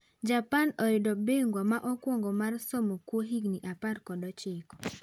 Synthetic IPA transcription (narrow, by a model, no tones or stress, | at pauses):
d͡ʒapanɔɪdɔbeŋɡwamaʔɔkwɔŋɡɔmarsɔmokwoɦiɡniʔaparkɔdɔt͡ʃɪkɔ̥